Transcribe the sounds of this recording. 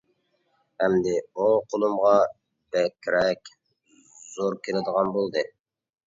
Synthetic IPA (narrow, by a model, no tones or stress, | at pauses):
hɛmd̪ɪuqʰolˠumʁɑ | b̥ɛkʲʰːɾɛkʲ | z̥oɾkʲʰelɪd̪əʁɑnbolˠd̪ɨ